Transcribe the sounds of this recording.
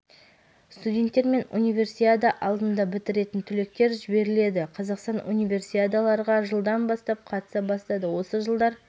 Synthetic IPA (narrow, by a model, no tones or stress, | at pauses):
st̪ud̪ʲe̞nt̪ːe̞ɾme̞nṵnʲijvʲe̞rsijad̪əʔɑlˠd̪ənd̪ɑbɪt̪ɪɾe̞t̪ɪnt̪ʰʏle̞k̚t̪e̞ɾʒɪbe̞ɾɪle̞d̪ɪqʰɑzɑqst̪ɑnʔunʲijvʲe̞rsijad̪alˠɑɾʁɑʒəlˠd̪ɑnbɑst̪ɑp̚qʰɑt̪ə̥sɑbɑst̪ɑd̪əwo̞səʒəlˠd̪ɑɾ